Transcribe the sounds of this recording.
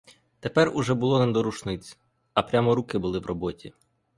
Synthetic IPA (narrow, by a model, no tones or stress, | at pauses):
t̪epɛrʊʒɛbʊlˠɔnɛd̪ɔɾuʃnɪt͡sʲ | ɐpɾʲamɔɾukɪbʊlˠɪʋrɔbɔtʲi